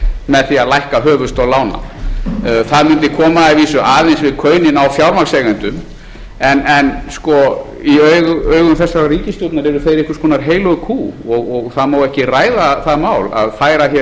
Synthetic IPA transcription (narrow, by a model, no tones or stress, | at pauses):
mɛðθiaðlajhkaɦœːvʏst̪ɔɣlaːwna̰ | θaðmʏnt̪ɪkʰɔːmaaviːsʏʔaːðejnsvɪðkʰœːɥnɪnawfjawɾmaɾksɛɣʏnt̪ʏm | ɛnɛnskɔ | iœɥɣœːɥɣʏmθɛsːaɾariːcɪst̪ɔt̪naɾɛɾʏθejɾɪhkʏ̥skʰɔːnaɾ̥ɦeːjlɔɣkʰuːɔɣɔɣθaðmaːwɛhcɪraːjðaθaðmaːwla̰ðfaːjɾaçɛ